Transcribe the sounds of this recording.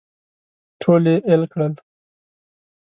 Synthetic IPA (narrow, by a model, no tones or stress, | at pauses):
ʈʰoːleʔelkɽəl